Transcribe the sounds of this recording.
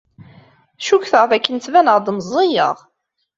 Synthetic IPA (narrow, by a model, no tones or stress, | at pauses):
ʃukθəʁfækːənt͡s̪vænəʁd̪məzˤːijə̰ʁ